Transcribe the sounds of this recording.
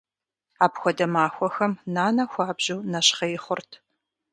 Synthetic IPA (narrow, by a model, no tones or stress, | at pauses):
aːpxʷɔdɐmaːxʷɔxɐmnaːnɐxʷɑːbʑuːnɐɕχɐjɪχʷʊrtʰ